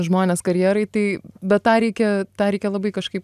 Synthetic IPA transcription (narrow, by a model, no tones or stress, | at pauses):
ʒmoːnʲeːskɐɾʲjiːɾɐɪt̪ɐɪbʲɛt̪t̪ːɑːɾʲɛɪkʲɛt̪ɑːɾʲɛɪkʲɛlˠɐbɐɪkɐʃkɐɪp